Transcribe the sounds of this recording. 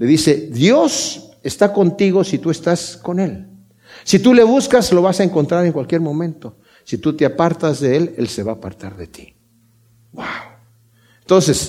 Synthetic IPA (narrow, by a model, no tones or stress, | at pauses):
le̞ðise̞ðjo̞se̞st̪ako̞nt̪iɣo̞sit̪ue̞st̪asko̞ne̞l | sit̪ule̞βuskaslo̞βasaeŋko̞nt̪ɾaɾe̞ŋkwalkje̞ɾmõ̞mẽ̞nt̪o̞ | sit̪ut̪eapaɾt̪azðe̞elelse̞βaːpa̰ɾt̪aɾðe̞t̪i̥ | waw | ent̪o̞nse̞s